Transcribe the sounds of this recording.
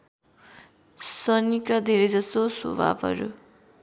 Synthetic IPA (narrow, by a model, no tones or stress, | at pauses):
sʌnikad̪ʱeɾʌjd͡zʌsoso̰bʱa̰bʱʌ̰ɾṵ